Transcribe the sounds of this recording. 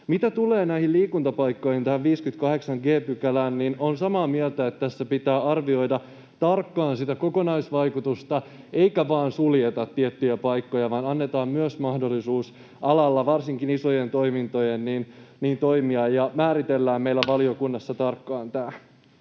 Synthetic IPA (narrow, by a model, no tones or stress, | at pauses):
mit̪æt̪uleːnæihilliːkunt̪ɑpɑjkːo̞jhint̪æhæʋʋiːskyt̪kɑhe̞ksɑŋɡeːpykælæːnnino̞nsɑmɑːmielt̪æet̪ːt̪æsːæpit̪æːɑrʋio̞jdɑ | t̪ɑrkːɑːnsit̪æko̞konɑjsʋɑjkut̪ust̪ɑ | e̞ikæʋɑːnsuljet̪ɑt̪ːiet̪ːyjæpɑjkːojɑʋɑːnɑnːet̪ɑːmmyøsmɑhdo̞lːisuːs | ʔɑlɑlːɑʋɑrsiŋkiniso̞jent̪o̞imint̪o̞jenninniːnt̪o̞imiɑjɑmæːɾit̪elːæːmmejlːæʋɑliokunːɑsːɑt̪ɑrkːɑːnt̪æː